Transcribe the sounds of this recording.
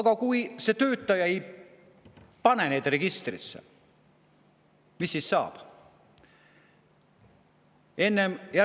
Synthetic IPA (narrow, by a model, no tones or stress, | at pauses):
ɡ̥ɑkujse̞t̪ø̞ːt̪ːˑɑjɑe̞j | pɑne̞ne̞ːd̪re̞ɡist̪rḭsḛ | misːisːɑ̰ːb̥ | e̞nːe̞mjæ